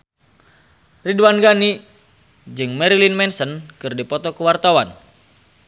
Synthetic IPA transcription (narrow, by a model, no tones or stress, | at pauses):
riduwanɡani | d͡ʒɨŋmɛɾilinmɛnsənkɨrdipɔt̪ɔkuwart̪awan